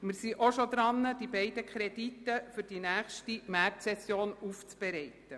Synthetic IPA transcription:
mɪɾsiʔoʃod̪ɾɑnːəd̥ibɛɪd̥əkχɾɛd̥it̪ːəfʏɾd̥inæːχʃtimæːtsɛsjoːnuft͡sb̥ɛɾɛɪt̪ə

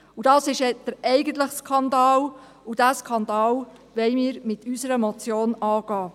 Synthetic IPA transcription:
ud̥ɑːsɪʃɛd̥əɾɛɪɡənt̪̬ləχskʰɑndɑːl | ud̥æːskʰɑnd̪ɑːl | ʋɛɪmiːɾmɪtʰysəɾəmɔt͡sjoːnɑːɡ̥ɑː

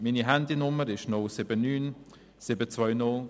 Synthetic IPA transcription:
miniɦɛndɪnʊməɾɪʃnʊlsɪbənːyːn | sɪbət͡svɔʏnʊl

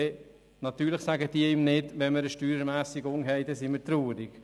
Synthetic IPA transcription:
ɛ | nɑt̪yːɾləχsæɡəd̥iəɪmnɪdʋɛnməɾəʃtyːɾəmæːsiɡʊŋɦɛɪd̥ɛsiməɾt̪ɾuːɾiɡ̥

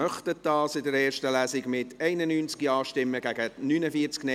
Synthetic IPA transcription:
œχtət̚dɑːsɪdəɾɛːrʃtəlæːsɪɡmɪtʰɛɪnənyːnt͡skiɑːʃtɪmːəɡæɡənyːnəfiət͡sknɛ

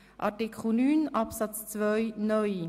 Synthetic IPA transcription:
ʔɑ̰tikʰχl̩nyːnɑpsɑt͡st͡svœʏnœʏ

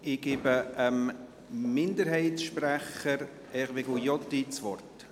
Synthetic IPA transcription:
ɪɡ̥eːbəəm | mɪnd̪əɾhɛɪtsʃpɾæχəɾ | ɛχʋeɡujɔtːit͡svɔrt

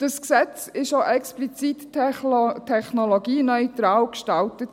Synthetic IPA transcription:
d̥əsksɛt͡sɪʃjoʔɛksplit͡sit | tʰɛχnoloɡiːnœʏtɾaːlkʃtaltət

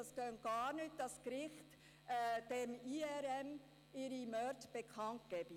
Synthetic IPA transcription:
ɑskœn̚ɡ̥ɑːɾnyːt̚dɑskɾɪχtː | d̥emiɛɾɛm | ɪɾimœɾtb̥ekʰɑnt̚ɡ̥ɛbi

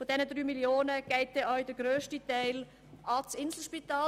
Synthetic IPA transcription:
fodɛnədɾyːmiljoːnəɡ̥ɛltːeœʏdəɡɾøːʃtitæɪl | ʔɑt͡sɪnzl̩ʃpitaː

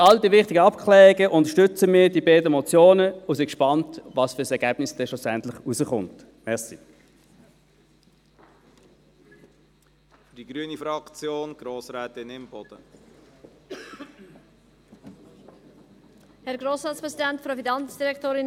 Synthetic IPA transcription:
ɑldiːʋɪχtɪɡəɑpkʰχlɛːʁɪɡəʔʊntəʃtʏt͡səmiːdiːbɛːdəmɔt͡sjoːnəʊsɪkʃpɑntvɑːsfʏːɐsɛɐɡ̥æːb̥nɪsd̥ɛʃlʊsɛntlɪχuzəχʊ̰nt | mɛʁsi | fd̥iɡ̥ɾyənifɾɑkt͡sjoːnɡ̥ɾoːsɾɛːtɪnɪmb̥ɔd̥ə | hɛɾɡɾoːsɾɑːtspɾɛsidɛntfɾofinɑnsd̥iɾɛktoːɾɪn

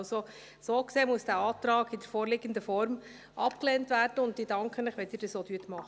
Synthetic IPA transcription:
so | soːkseːmuəsd̥æːɑːtɾɑːɡɪdəɾfoːɾlɪɡəndəfɔɾm | ʔɑpklɛːntvæːɾdəʊnt̚d̥idɑŋkʰχənləχʋɛtdiːɾd̥ɑsoːd̥yətmɑχ

